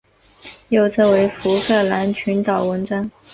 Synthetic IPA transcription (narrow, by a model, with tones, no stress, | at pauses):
jo˥˩ʊt͡sʰɤ˥˩we˧˥ɪfu˧˥kʰɤ˥˩la˧˥nt͡ɕʰy˧˥nt̪ɑ˨˩ʊwə˧˥nʈ͡ʂɑ˥ŋ